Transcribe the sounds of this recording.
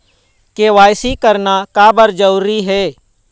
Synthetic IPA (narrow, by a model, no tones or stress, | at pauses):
keʋaːɪsikəɾnakaːbəɾd͡ʒəuɾiɦɛː